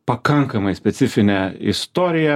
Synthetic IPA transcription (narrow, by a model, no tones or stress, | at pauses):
pɐkɐŋkɐmɐɪsʲpʲɛt̪sʲɪfʲɪnʲɛɪ̰st̪oːɾʲɪjɛ